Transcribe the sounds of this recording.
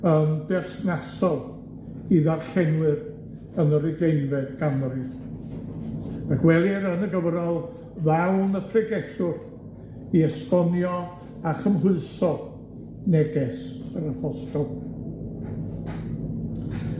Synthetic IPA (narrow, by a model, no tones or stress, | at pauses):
ənbɛrsnasɔlˠ | iðarɬɛnwɨr | ənəɾɨɡejnvɛdɡamri | akwɛlˠiɾənəɡəvɾɔlˠ | vɛwnəpʰrɛɡɛɬʊr | iɛstɔnjɔ | aχəmɦʊɨsɔ | nɛɡɛsəɾapʰɔstɔlˠ